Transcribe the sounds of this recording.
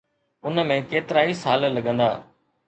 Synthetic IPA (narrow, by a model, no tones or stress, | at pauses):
ʊnmẽkeːt̪ɪɾaːisaːllɐɠə̃nd̪aː